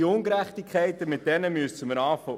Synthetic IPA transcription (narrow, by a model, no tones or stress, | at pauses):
iʊŋɡɾæχtikʰɛɪtəmɪt̚d̥ɛnəmyəsəməɾɑːfɔ